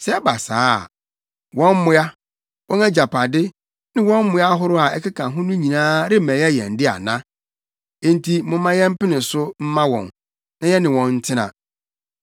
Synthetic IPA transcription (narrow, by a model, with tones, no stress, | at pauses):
sɛ˦ɛ˦ba˨sa̰ː˦˨ | wɔ̃˦m˦mʊ̃˦a˦ | wʔɔ̃˦næ˦d͡ʑa˨pʰa˨dɪ˦ | nɪ̃˦wɔ̃˦m˦mʊ̃˦ja˦ɦʊ˦ɾʊ˦a˨ɛ˦kɪ˦kʰã˨ɦʊ̃˦nʊ̃˦ɲĩ˨nãː˦ɾɪ˦˨mɛ̃˨˦ɛ˦jɛ̰̃˨n̩˨˦dɪ˦a̰˨nã̰˦ | ẽ˨n̩˦tʰi˨mʊ̃˨˦mã˦jɛ˦m̩˦pɪ˦nɪ̃˨sʊ˦m̩˦mã˦wɔ̰̃˨n | nã˦jɛ˦nɪ̃˨wɔ̃˨nn̩˦tʰɪ̃˦nã̰˨